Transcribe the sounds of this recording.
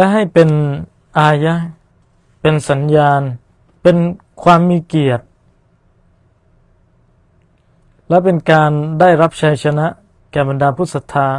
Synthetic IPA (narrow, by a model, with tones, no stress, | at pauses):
lɛ˦˥ɦa˥˩jpe˧n | ʔaː˧ja˦˥ | pe˧nsa˩˨˦njaː˧n | pe˧n | kʰwaː˧mːiː˧ki˨˩ət̪̚ | lɛ˦˥pe˧nkaː˧ndaː˥˩jɾa˦˥p̚t͡ɕʰa˧jsʰa˧na˦˥ʔ | kɛː˨˩ba˨ndaː˧pʰu˦˥sa˧t̪ʰaː˧